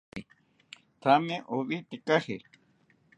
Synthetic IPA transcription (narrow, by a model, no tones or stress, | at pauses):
t̪ʰamẽʔoβit̪ekahe